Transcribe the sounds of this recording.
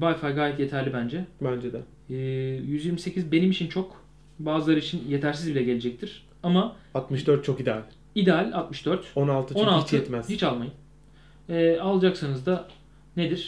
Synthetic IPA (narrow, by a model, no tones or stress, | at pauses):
vajfajɡaːjɛt̪je̞t̪ʰæɾlʲibænd͡ʒɛbænd͡ʒed̪ɛ | ɯːjyzjiɾmise̞cʰizbe̞nimit͡ʃʰint͡ʃʰo̞k | baːzɯlˠaɾɯit͡ʃʰinje̞t̪ʰæɾs̬izbilʲɛɟe̞led͡ʒɛc̚t̪ʰiɾ̥ | ama | at̪mɯʃd̪øɾt̪̚t͡ʃʰo̞kid̪ɛalʲ | id̪ealʲat̪mɯʃd̪øɾt̪onalˠt̪ʰɯt͡ʃo̞nalˠit͡ʃjɛt̪mɛz̥hit͡ʃalˠmajɯn | ɛːalˠad͡ʒaksanɯzd̪a | ned̪iɾ̥